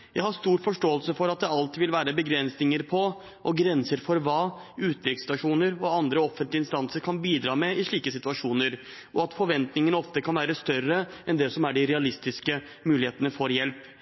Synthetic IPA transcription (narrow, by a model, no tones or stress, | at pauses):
jæɪhɑɾst̪uːɾfɔʂʈoːəlsəfɔɾɑt̪̚d̪ɛɑlt̪ʋɪlʋæːɾəbəɡɾɛnsnɪŋəɾpʰɔ | ʔɔɡɾɛnsəɾfɔɾʋɑːʉːt̪̚d̪ɾɪkst̪ɑʂuːnəɾɔɑnd̪ɾəɔfːənt̪lɪnst̪ɑnsəɾkʰɑnbiːd̪ɾɑːmɛɪʂɭiːkəsɪt̪ʋɑʂuːnəɾ | ʔɔɑt̪fɔɾʋɛnt̪nɪŋənəɔft̪əkʰɑnʋæːɾəst̪œrːəɛnd̪ɛsɔmæɖɪɾɛɑlɪst̪ɪskə | mʉːlɪheːt̪ənəfoːɾjɛlp